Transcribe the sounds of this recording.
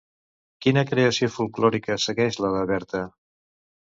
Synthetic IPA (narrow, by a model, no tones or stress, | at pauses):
kinəkɾeəsiofulˠklɔɾikəsəɣɛʃlələβɛɾt̪ə